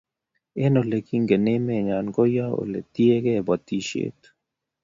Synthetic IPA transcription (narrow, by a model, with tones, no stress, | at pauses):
e˦no˨le˨ki˦ŋɡe˨ne˦me˨ɲa˨nko˦ja˦o̰˨le˨t̪i˦e˦kɛ˦˨bɔ˨t̪i˦ʃḛ˦t̪